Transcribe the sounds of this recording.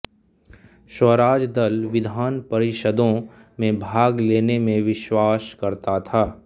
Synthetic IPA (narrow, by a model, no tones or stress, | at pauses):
ʃəɾaːd͡ʒd̪əlʋɪd̪ʱaːnpɐɾɪʃəd̪õ | mẽbʱaːɡleːnemẽʋɪʃwaːskɐɾt̪at̪ʰaː